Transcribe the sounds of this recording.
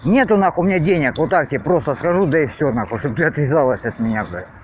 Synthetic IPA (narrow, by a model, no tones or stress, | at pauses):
nʲet̪ʊnaxʊmʲɪnʲadʲenʲɪkʋot̪ːak̚tʲɪepɾo̞st̪əskɐʐud̪ɐɪfsʲonaxoʂt̪ob̚t̪ɨɐt̪vʲɪzɑlˠəsʲɐt̪̚mʲɪnʲabɨ